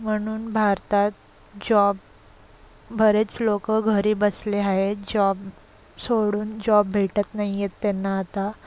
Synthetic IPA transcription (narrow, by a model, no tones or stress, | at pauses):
m̤əɽ̃uːnbʱaɾt̪at̪̚ | d͡ʑɔb | bʱəɾet͡slokəɡʱəɾiːbəsleaɦed͡ʑɔb | soɽuːnd͡ʑɔbːʱeʈət̪naɦijet̪ːenːaːt̪a